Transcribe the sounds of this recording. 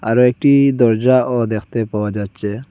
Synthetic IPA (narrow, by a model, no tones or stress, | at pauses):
a̰ɾɔek̚ʈid̪ɔɾd͡ʒaʔɔd̪ekʰt̪epawad͡ʒadt͡ʃʰe